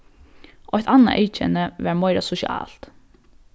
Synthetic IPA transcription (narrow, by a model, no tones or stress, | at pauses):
ɔht̪ʰana̰ʔeːt͡ʃɛ̰nəʋæɾmɔɪɾasʊʃɪɑ̰ːl̥t̪